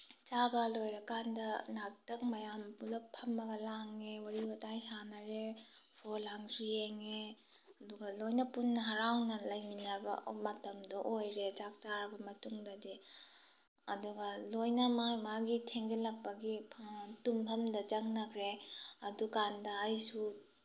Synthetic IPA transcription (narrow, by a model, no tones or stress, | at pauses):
t͡ʃabɐlojɾɐkandɐnak̚tɐk̚mɐjampulɐpʰːɐmːɐɡɐlaŋːewaɾibɐtajsanɐɾe | pʰolaŋsʰujeŋe | ɐduɡɐlojnɐpunːɐɦɐɾawnɐlɐjminɐɾbɐ̰mɐtɐmdoʔojɾed͡ʒak̚t͡ʃaɾɐbɐmɐtuŋdɐdi | ɐduɡɐlojnɐmajmaɡitʰeŋd͡ʒɐlɐk̚pɐɡipʰtumpʰɐmdɐd͡ʒɐŋnɐkʰɾeɐdukandɐːjsu